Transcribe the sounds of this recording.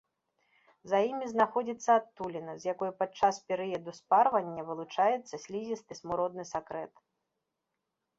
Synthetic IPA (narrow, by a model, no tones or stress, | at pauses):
zɐjimʲiznaxɔd͡zʲit̪sːɐːt̪ːulʲinɐzʲjakɔjupat͡ʂaspʲɛɾɨjɐd̪usparvɐnʲːɐvɨlˠut͡ʂajɛt̪sːɐsʲlʲizʲist̪ɨsmuɾɔd̪nɨsakɾɛt̪